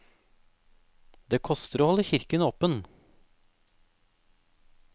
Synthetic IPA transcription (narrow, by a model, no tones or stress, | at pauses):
d̪eːkʰɔst̪əɾoːhɔləçɪɾkənoːpən